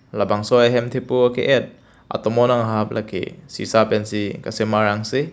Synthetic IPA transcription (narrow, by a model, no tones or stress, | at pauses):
labaŋsɔjaɦɛmt̪ʰipuakiʔɛt̪̚ | ʔa̰t̪ɔmɔnaŋɦap̚lʔakḛsḭsapɛnsikasemaɾaŋsi